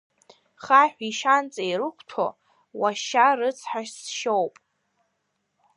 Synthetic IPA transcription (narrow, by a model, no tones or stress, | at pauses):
χaħʷᶣiʃant͡sʼejɾɨkʷʰtʰo̰ | waʃarɨt͡sʰħaʃsʃowpʼ